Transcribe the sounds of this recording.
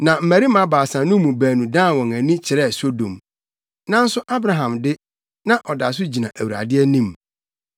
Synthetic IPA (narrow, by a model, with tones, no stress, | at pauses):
nã˨m̩˨mæ˨ɾi˦mã˦baː˨sã˨nũ˦mũ˨bæː˨nũ˨dãː˦˨wɔ̃˨ŋæ˨nĩ˦t͡ɕʰɪ˨ɾɛ˦˨so˦dõ˨m | nã˦n̩˦sʊ˦ʔa˦bɾa˨ɦã˨mdɪ˦ | nã˦ʔɔ˨da˨s̬ʊ˦d͡ʑi˨nã̰˨ʔæ˨wu˨ɾa̰˨dɪ˦ɛ˦nĩ˦m